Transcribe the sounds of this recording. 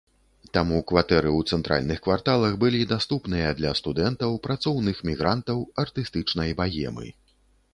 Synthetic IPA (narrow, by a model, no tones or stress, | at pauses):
t̪amukvat̪ɛɾɨwt̪sɛnt̪ɾʔa̰lʲnɨxkvart̪alˠɐxbɨlʲid̪ast̪upnɨjɐd̪lʲɐst̪ud̪ɛnt̪ɐwpɾat̪sɔwnɨxmʲiɣɾant̪ɐwɐrt̪ɨst̪ɨt͡ʂnɐjbajɛ̰mɨ̰